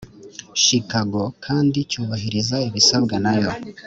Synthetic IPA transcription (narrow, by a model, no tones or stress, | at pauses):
ʃikaɡo̞kʰaːndicuːβaɦiɾizaiβisabɡanajo̞